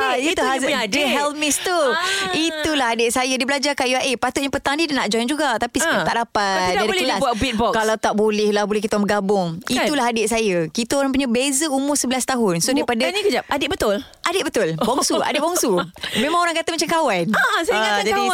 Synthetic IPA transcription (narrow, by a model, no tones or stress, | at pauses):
ait̪uazdiɦɛlmɪst̪uit̪ulaɦadɪʔ̪̚sajadibəlad͡ʒakaʔjuaʔepat̪ʊt̪jãpət̪aŋdidanaʔd͡ʒɔjnd͡ʒuɡaʔt̪apisəkaaʔdapat̪̚diadalkəlasbuat̪bit̪̚bɔkalawt̪aʔbolɪhlahbolɛhkit̪aməɡabʊŋit̪ulaɦadɪʔ̚sajəkit̪aoɾaŋp̬uɲãbezəumʊrsəbəlast̪aɦʊnsodajpadaɲakəd͡ʒap̚adɪt̪̚bət̪ʊl | ʔadɪt̪̚bət̪ʊlbɔŋsua̰dɪbɔŋsumẽmãŋoɾãŋkat̪amãt͡ʃamkawanasaad͡ʒaadi